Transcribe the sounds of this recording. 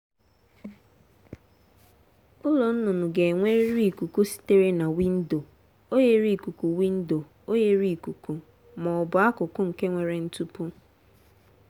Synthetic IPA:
ʊ˦lo˨n̩˦nʊ˨nʊ˨ɡe˨ŋʷe˦ɾɾi˦i˨ku˨ku˦si̥˦te˦ɾe˦na˨wi˦n̩˦do˨ | o˦je˦ɾi˦˨ku˨ku˨wi˦n̩˦do˨ | o˦je˦ɾi˦i˨ku˨ku˨ | mɔ˨bʊ˨a˦kʊ˨kʊ˦ŋ̩˨ke˦ŋʷe˨ɾe˨n̩˦tu˦pu˦

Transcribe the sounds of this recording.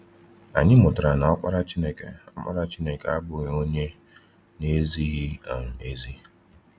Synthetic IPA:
a˨ɲɪ˦mʊ˨dʊ˨ɾa˨na˨ɔ˦k͡pʷa˦ɾa˦t͡ʃi˦ne˦kḛ˨ɔ˦k͡pʷa̰˦ɾa˦t͡ʃi˦ne˨ke˨a˦bʊ˨ɲ˦o˦ɲe˦ | ne˦zi˦ɣɪ˦a̰˨ŋ̩˨e˦zi˦

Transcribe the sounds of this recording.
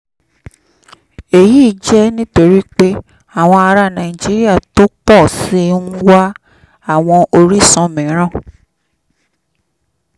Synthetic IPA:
e˨ji˦˨d͡ʒɛ˦nĩ˦to˧ɾi˦k͡pe˦ | a˨w̃ɔ̃˧a˧ɾa˧˦nã˨i˨d͡ʒi˦ɾi˦a˦˨to˦k͡pɔ˦˨si˦n̩˦wa˦ | a˦˨w̃ɔ̃˧ʔo˧ɾi˦˨sɔ̃˧mĩ˨˦ɾ̃ã˦˨

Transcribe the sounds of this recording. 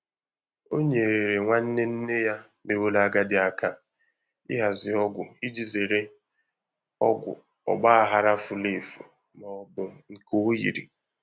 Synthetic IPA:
o˦ɲe˨e˨ɾe˨ɾe˨ŋʷa˦n̩˦ne˦n̩˦ne˦ja˦ | be˨wo˦la˦ɡa˦dɪ˨a˨ka˦ | ɪ̰˦ɦa˨zɪ˨ɔ˦ɡʷʊ˨i˦d͡ʒi˨ze˨ɾe˦ | ɔ˦ɡʷʊ̰˨ | ɔ̰˨ɡ͡ba˦a˨ɦa˨ɾa˦fʊ˨le˦˨fṵ˨ | mɔ˨ɔ˨bʊ˨ŋ̩˨ko˨˦jḭ˨ɾḭ˨

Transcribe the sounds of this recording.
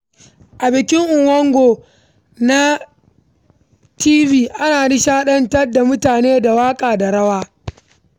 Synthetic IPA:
ʔa˨bɪ˨kʲɪ˦ŋʔʊ˨ŋwɐ˦ŋɡʷoː˨ | na˦ | tiː˦viː˦ʔa˦naː˨ni˦ʃaː˦ɗɐ˦ntɐ˦rda˨mʊ˦taː˨neː˦da˨waː˦kʼaː˨da˨ɽɐ˦waː˦

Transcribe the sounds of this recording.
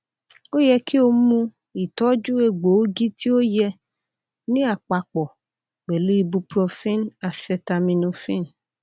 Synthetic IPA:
o˦jɛ˧kʰi˦o˧mũ˧ | i˨tɔ˦d͡ʒu˦e˧ɡ͡bo˨˦ɡi˦tʰi˦o˦jɛ˧ | nĩ˦a˦˨k͡pa˨k͡pɔ˨ | k͡pe˨lu˦i˧bu˧pɾo˧fĩ˦na˨˧sɛ˧ta˧mĩ˧nũ˧fĩ˦n

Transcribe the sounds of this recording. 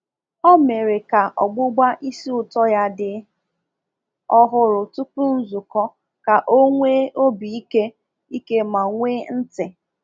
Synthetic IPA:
ɔ˦me˨ɾe˨ka˨ʔɔ̰˨ɡ͡bʊ˦ɡ͡ba˦ʔi˦si˦ʊ˨tɔ˦ja˦dɪ˨ | ɔ˦ɦʊ˦ɾʊ˨tu˦pʊ˦n̩˦zʊ˨kɔ˦ | ka˨ʔo˦ŋʷe˦o˦bi˨i˦ke˦ | i˦ke˦ma˨ŋʷe˦n̩˦tɪ˨

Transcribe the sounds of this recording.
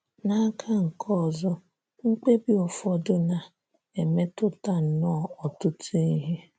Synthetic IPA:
na˦kʰa˦ŋ̩˨kʰɔ˦˨zɔ˦ | ŋ̩˦k͡pe˦bi˨ɔ˨fɔ˦dʊ˦na˨ | e˨me˦tʊ˦ta˦n̩˨nɔ˦˨ɔ˨tʊ˦tʰi˦ɦe˦

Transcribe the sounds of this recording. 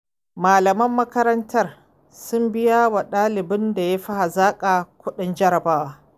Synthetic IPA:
maː˨lɐ˨mɐ˦mːɐ˦kɐ˦ɾɐ˦ntʰɐ˦r | sʊ˦mbɪ˦ja˦wa˨ɗaː˦lɪ˨bɪ˦nda˨ja˦ɸi˦ha˨zaː˦kʼa˨kʷʊ˦ɗɪ˦nd͡ʒɐ˦ɾɐ˨baː˦wa˦

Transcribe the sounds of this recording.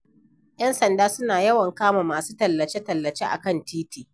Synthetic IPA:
j̰ɐ˦nsɐ˨ndaː˦sʊ˦naː˨jɐ˦wɐ˨ŋkaː˦maː˨maː˨suː˦tɐ˨lːɐ˨t͡ʃeː˦tɐ˨lːɐ˨t͡ʃeː˦ʔa̰˨kɐ˦ntiː˦tiː˨

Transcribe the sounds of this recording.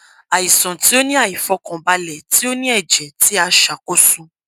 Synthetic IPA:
a˨i˨sɔ̃˨ti˨˦o˦nĩ˦a˦˨i˨fɔ˧kɔ̃˨ba˧lɛ˨ti˨˦o˦nĩ˦ɛ˦˨d͡ʒɛ˨ti˨˦a˧ʃa˨ko˦sũ˨˧

